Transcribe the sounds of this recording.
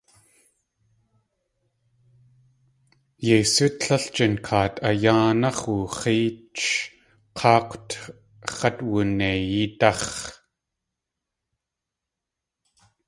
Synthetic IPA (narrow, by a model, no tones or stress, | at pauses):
jejsut̪ɬɐɬt͡ʃənkʰaːt̪ajaːnɑχuχiːt͡ʃ | qʰɑːqʷt̪ | χɐt̪wunejit̪ɑχ